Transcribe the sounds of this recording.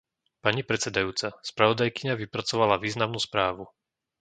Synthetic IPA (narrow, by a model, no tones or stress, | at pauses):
paɲipɾɛt͡sɛd̪ajuːt͡saspɾaʋɔd̪ajkiɲaʋipɾat͡sɔʋalaʋiːznamnuːspɾaːʋu